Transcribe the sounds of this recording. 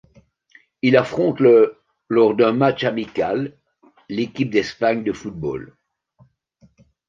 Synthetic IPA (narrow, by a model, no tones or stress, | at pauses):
ilafχɔ̃t̪ | lɔʁd̪ɛ̃mat͡ʃamikalː | ekʲip̚d̪ɛspaɲd̪əfut̪̚bo̰l